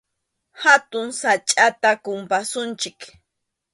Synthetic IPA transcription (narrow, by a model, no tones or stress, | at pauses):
hat̪ʊŋsat͡ʃʼat̪akʊmpasʊnt͡ʃɪk